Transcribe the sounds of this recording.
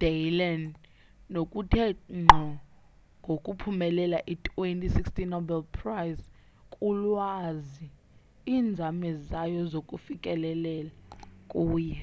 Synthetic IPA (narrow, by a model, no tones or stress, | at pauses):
d̥ajlɛn | nokʼutʰɛŋ͡ǃʱɔ | ŋɡʱokʼupʰumɛlɛlaʔitʰʼwentʼisikstinobɛlpʰrajz | kʼulwazi | iːnd͡zʱamɛzajɔzokʼufikʼɛlɛlɛlakʼuːjɛ